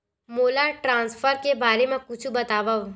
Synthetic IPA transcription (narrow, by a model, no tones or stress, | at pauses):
moːlaʈɾãːnsfʰəɾkebaːɾemẽkʊt͡ʃʰubɐt̪aːʋəʋ